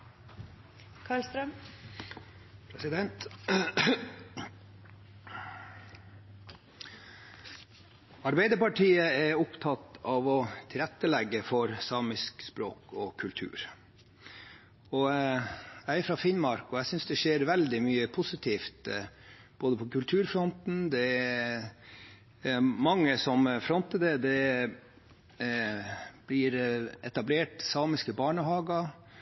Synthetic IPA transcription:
kʰɑːɭst̪ɾəm | pʰɾɛsɪd̪ɛnt̪ | ɑɾbæɪd̪əɾpɑʈʰiːəɛɾʊpt̪ʰɑt̪ɑːʋɔt̪ʰɪlɾɛt̪ːəlɛɡːəfɔɾsɑːmɪskspɾo̰ːkɔkʰʉlt̪ʰʉ̰ːɾ | ɔ | æɪfɾɑfɪnmɑɾkɔæsʏnsd̪ɛʂeːɾʋɛld̪ɪmyːəpʰʊsɪt̪ʰiːft̪ | b̥oːd̪əpʰɔkʉlt̪ʰʉːɾfɾɔnt̪n̩d̪ɛ | mɑŋːəsɔmfɾɔnt̪əd̪ɛd̪ɛ | b̥lɪɾɛt̪ɑbleːʈsɑːmɪskəbɑːɳəhɑːɡɑ

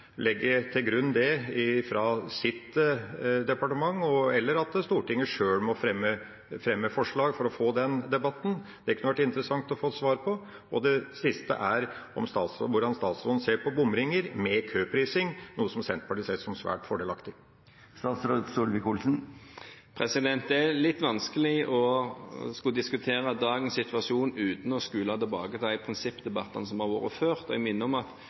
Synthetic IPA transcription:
lɛɡːəɾt̪ʰɪlɡɾʉnːd̪ɛɪfɾɑsɪt̪ | d̪ɛpɑʈəmɑŋːɔɛlːəɾɑt̪st̪uːʈɪŋːəʂøːɽmɔfɾɛmːə | fɾɛmːəfɔʂɭɑːɡfɔɾɔfoːd̪ɛnd̪ɛbɑt̪ːn̩d̪ɛɾkʰːʉnəʋæʈːɪnt̪əɾəsɑŋt̪ɔfoːt̪sʋɑːɾpʰɔ | ɔd̪ɛsɪst̪ə̰ʔæɾɔ̰mst̪ɑːt̪sʋʊɖɑnst̪ɑːt̪sɾo̰ːd̪n̩seːɾpʰɔbʊmɾɪŋəɾmɛkʰøːpʰɾiːsɪŋnuːəsɔmsɛnt̪̚pʰɑʈiːseːsɔmsʋæ̰ːʈfɔɖelɑkt̪ɪ | st̪ɑːt̪sɾoːd̪suːlʋɪkulsn̩ | pʰʁɛsɪd̪ɛnt̪ɛɾlɪt̪ːʋɑnskəlɪʔɔ | skɑd̪ɪskʉt̪ʰeːɾəd̪ɑːɡənsɪt̪ʋɑʂuːnʉːt̪n̩ɔskʉlɑt̪ɛlbɑːɡət̪ʰæɪpʰɾɪnsɪpːd̪ɛbɑt̪ːɑnsɔmhɑʁʋo̰ːʁəføːʁt̪ɔɪmɪnːəɔmɑt̪

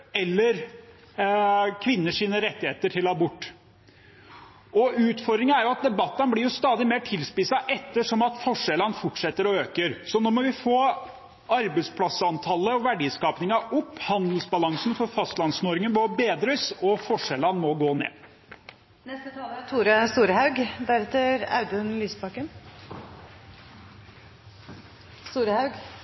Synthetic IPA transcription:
ɛlːəɾ | kʰʋɪnːəʂiːnəɾɛt̪ːɪheːt̪əʈʰɪlɑbʊʈː | ɔʉːt̪fɔɾd̪ɾɪŋəæɾjʊɑt̪̚d̪ɛbɑt̪ːɑnblɪɾjʊst̪ɑːd̪ɪmeːʈʰɪlspɪsɑʔɛt̪ːəʂɔmɑt̪fɔʂɛlənfʊʈʂɛt̪ːəɾɔøːkəɾsɔnɔːmɔʋɪfoː | ɑɾbəɪspʰlɑsɑnt̪ʰɑlːəɔʋæɖiːskɑːpnɪŋɑʊpːhɑnd̪əlsbɑlɑŋsnfɔɾfɑst̪lɑnsnoɔːɾɪŋənbɔbeːd̪ɾəsɔfɔʂɛlɑnmɔɡoːnḛː | nɛst̪ət̪ʰɑːlət̪ʰuːɾəst̪uːɾəhɑʉɡd̪æɾɛt̪ːəɾɑ̰ʉd̪ʉnlyːsbɑkən | st̪uːɾəhɑʉɡ

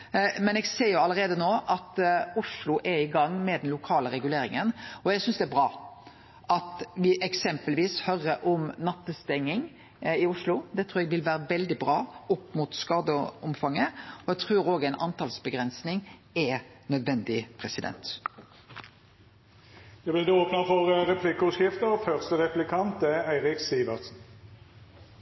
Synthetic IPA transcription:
mɛnɛːɡseːjʊɑlːəɾeːd̪ənoːʔɑt̪ʊʂlʊʔɛɪɡɑŋːmɛd̪ɛnlʊkʰɑːləɾɛɡʉleːɾɪŋənɔɛɡsʏnsd̪ɛæɾbʁɑː | ʔɑt̪ʋɪʔɛksɛmpəlʋiːshœɾəʔɔmnɑt̪ːəst̪ɛŋːɪŋ | ɪʊʂlʊd̪ɛt̪ʰɾuːɾɛɡʋɪlʋæːɾəʋɛld̪ɪbɾɑːʊpːmʊt̪skɑːd̪əɔmfɑŋːəɔɛɡt̪ʰʁʉːɾoːɡæɛɪnʔɑ̰nt̪ʰɑːlsbəɡʁɛnsnɪŋɛnœd̪ʋɛnd̪ɪpʰɾɛsɪd̪ɛ̰nt̪ | d̪̥ɛb̪ɪd̪ɛoːpnɑfɔʁəɾɛpʰlɪkəɔskɪft̪əʁfœʁst̪əʁɛplɪkʰɑnt̪ɛæɪɾɪksiːʋəʁsn̩

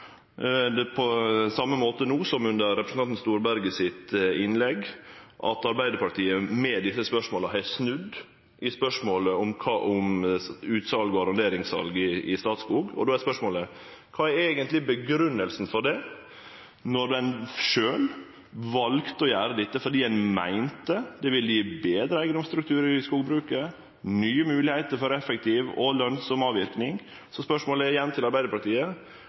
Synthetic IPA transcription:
d̪ɛpʰɔsɑmːəmoːt̪ənuːsɔmʉnd̪əɾːɛpɾsnɑnt̪n̩st̪uːɾbæɾɡəsɪt̪ɪnlɛɡʔɑ̰t̪ɑɾbæɪd̪əɾpɑʈ̪ʰiːəmɛd̪ɪsːəspœʂmoːləɦæɪsnʉd̪ | ʔɪspœʂmoːləʊmkʰɑːʔʊmʉːt̪sɑlɡɔɑɾɑnd̪eːɾɪŋsɑ̰lɡɪɪst̪ɑːt̪skuːɡɔ̰d̪oːæspœʂmoːlə | kʰɑːæɾeːɡənt̪lɪbəɡɾʉnːəlsn̩fɔɖɛ | nɔɾd̪ɛnʂøːl | ʋɑlkt̪ɔjæːɾəd̪ɪt̪ːəfɔɾɖiːɛnmæ̰ɪnt̪əd̪ɛʋɪljiːbeːd̪ɾəæɪɡəd̪ʊmst̪ɾʉk̚t̪ʰʉːɾəɾɪskuːɡbɾʉːkə | nyːəmʉːlɪhæɪt̪əɾfɔɾɛfɛk̚t̪ʰɪːʋɔ̰lœnsɔmɑːʋɪɾknɪŋ | sɔspœʂmoːləɛjɛnːt̪ʰɪlɑɾbæɪd̪əpʰɑɾt̪ʰiːə

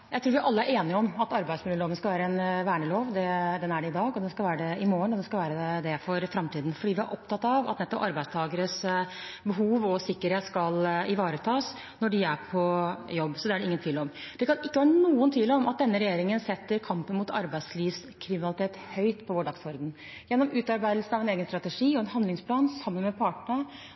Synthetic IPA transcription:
jæɪt̪ɾuːɾʋɪʔɑlːəæɾʔeːnɪəɔmɑt̪ɑɾbæɪsmʊlɪloːʋənskɑʋæːɾəɛnʋæːɳəloːʋd̪ɛd̪ɛnæɖɛɪd̪ɑːɡɔd̪ɛnskɑlʋæːɾəɖɛɪmoːəɳɔd̪ɛnskɑlʋæːɾəɛd̪ɛfɔɾfɾɑmt̪ʰiːd̪n̩fɔɖiːʋɪæ̰ɾʔɔp̚t̪ʰɑt̪ːɑʋɑ̰t̪nɛt̪ːɔpɑɾbæɪst̪ʰɑːɡəɾəsbəɦuːʋɔsɪkːəɾheːt̪skɑlɪʋɑːɾət̪ʰɑːs | nɔɖɪæpʰɔjɔbːsɔd̪ɛæɖɛɪŋənt̪ʰʋiːlɔmd̪̥ɛkʰɑnɪkːəʋæːɾnuːənt̪ʰʋiːləɔmɑt̪̚d̪ɛnːəɾɛjeːɾɪŋənsɛt̪ːəɾkʰɑmpənmʊt̪ʰɑ̰ɾbæɪd̪sliːʋs | kʰɾɪmɪnɑlɪt̪ʰeːt̪hœʏt̪pʰɔʋoːɖɑɡsɔɾd̪n̩ | jɛnːɔmʉːt̪ɑɾbæɪd̪l̩sn̩ɑʋɛneːɡənst̪ɾɑt̪əʂiːɔɛnhɑnd̪lɪŋspʰlɑːnsɑmːənmɛpʰɑːʈɳə

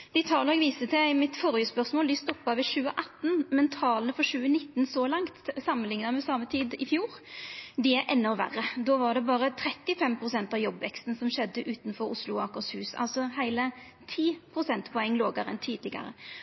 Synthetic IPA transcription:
d̪̥ɪt̪ʰɑːləɛɡʋiːsət̪ʰæɡmɪt̪fɔɾjəspœɾsmoːld̪ɪst̪ɔpːɑʋɪɕʉːəʔɑt̪ːnmɛnt̪ʰɑːləfɔɾɕʉːənɪt̪ːnsɔlɑŋt̪sɑmːənlɪŋnəmɛsɑmət̪ʰiːd̪ɪfjuːɾd̪ɪæɾʔɛnːɔʋæ̰rəd̪oːʋɑɖ̪ɛbɑːɾət̪ʰɾɛt̪ːɪfɛmpʰɾʊsɛnt̪ɑʋjɔbʋɛkst̪n̩sɔmɕɛd̪ːəʔʉːt̪nfɔɾʊslʊɑkʊɾshʉːsɑ̰lsɔhæɪlə | t̪ʰiːpʰɾʊsɛnt̪pʰɔɛŋːloːɡəɾəɛ̰nt̪ʰiːd̪lɪɡɑ̰ɾə̰

